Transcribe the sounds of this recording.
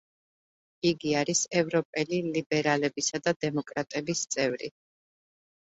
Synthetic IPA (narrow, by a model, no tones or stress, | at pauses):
iɡiaɾisɛvɾɔpʼɛlilibɛɾalɛbisad̪ad̪ɛmɔkʼɾat̪ʼɛbist̪sʼɛvɾḭ